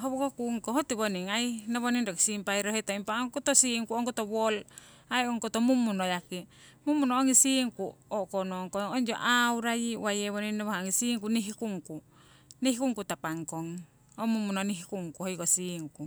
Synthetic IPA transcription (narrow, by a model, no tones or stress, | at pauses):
ɦoβokokuŋkohot̪iβoniŋajnaβoniŋdoki̥simpajɾoɦetaimpaoŋkut̪osiŋkuoŋkot̪oβol | ajoŋkot̪omumːunojaki | mumunooŋisiŋkuokonoŋkoŋond͡ʒo̰ʔauɾajiwajeβoniŋnaβohaoŋisiŋkuniɦikuŋku | nihikuŋkutapaŋkoŋ | omumunoniɦikuŋkuhojkosiŋku